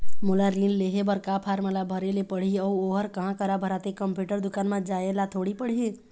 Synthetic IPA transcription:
mulaɾĩnleɦebəɾkapʰaːɾmãlabʱəɾelepəɽ̤iɔuoːɦəɾkəɦãkəɾabʱəɾat̪ekəmpjuːʈəɾd̪ʊkaːnmãd͡ʒaːelat̪ʰoːɽipəɽ̤i

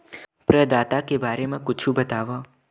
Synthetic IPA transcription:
pɾəd̪aːt̪akebaːɾemãkʊt͡ʃʰũbət̪aʋo

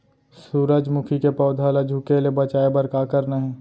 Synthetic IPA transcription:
suːɾəd͡ʒmʊkʰikepɔːd̪ʱalad͡ʒʱʊkelebət͡ʃaːebəɾkakəɾnəɦɛ̃ː

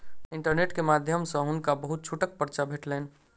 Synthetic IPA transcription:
iɳʈəɾneʈkemad̪ʱjəmsə̃ɦunkabəɦut̪̚t͡ʃʰuʈək̚pəɾt͡ʃabʱeʈlɛn

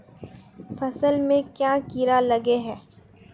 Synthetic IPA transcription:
fɐsəlmẽkjakiɾalɐɡeɦɛː

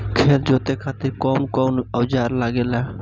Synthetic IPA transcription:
kʰeld͡ʒoːt̪ekʰat̪iɾkɔnkɔnəwd͡ʒaɾlaɡela

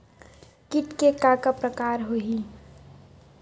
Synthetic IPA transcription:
kiʈkekakəpɾəkaɾɦoɦi

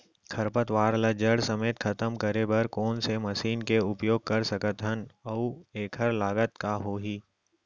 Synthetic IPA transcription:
kʰɐɾpət̪ʋaːɾləd͡ʒəɽsɐmeːt̪kʰɐt̪əmkɐɾebɐɾkɔːnsemɐʃiːnkeʊpjoːɡ̚kɐɾsɐkət̪ɦənɐueːkʰəɾlaːɡət̪kaɦoːɦiː

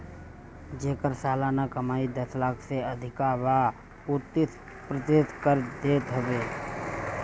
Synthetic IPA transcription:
d͡ʒeːkəɾsaːlaːnakəmaːid̪əslaːkʰseəd̪ʱɪkaba | ut̪ːɪt̪ | pɾət̪ɪt̪kəɾd̪eːt̪ɦəbeː

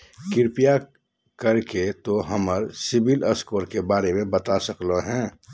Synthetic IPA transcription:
kɪɾpija | kəɾket̪oɦəməɾsɪbiləskoːɾkebaːɾemẽbət̪asəkloɦɛ̃ː

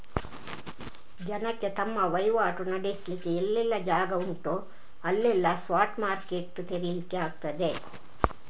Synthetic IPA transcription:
d͡ʒɐnɐkːe̞t̪ɐmːɐʋɐjʋaːʈunɐɖeslikːeelːɛlːɐd͡ʒaːɡɐuɳʈu | ɐlːɛlːɐsʋaːʈmaːɾkeʈːt̪eɾilikːeaːɡ̚t̪ɐd̪e

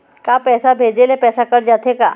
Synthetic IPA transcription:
kapɛːsabʱeːd͡ʒelepɛːsakɐɾd͡ʒaːt̪eka̰

